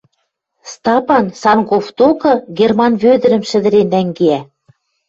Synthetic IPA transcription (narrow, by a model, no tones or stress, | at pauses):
st̪ɑpɑnsɑnkoft̪okɤ̆ɡermɑnβød̪ɘ̆ɾɘ̆mʃɘ̆d̪ɘ̆ɾenːæŋɡeæ